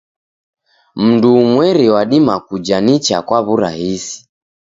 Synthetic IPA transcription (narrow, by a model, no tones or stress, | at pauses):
m̩ndumwɛɾiwaɗimakud͡ʒanit͡ʃa̰kwaβuɾahisi̥